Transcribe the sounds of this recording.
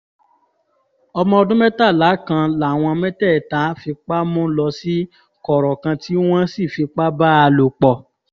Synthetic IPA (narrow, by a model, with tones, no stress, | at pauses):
ɔ˧mɔ̃˧ɔ˧dũ˦mɛ˦ta˦˨la˨˦kã˧la˨w̃ɔ̃˧mɛ̃˦tɛ˦˨ta˨˦fi˧k͡pa˦mũ˦lɔ˧si˦ | kɔ˨ɾɔ˨kã˧tʰi˦w̃ɔ̃˦si˦˨fi˧k͡pa˦ba˦a˧lo˨k͡pɔ˨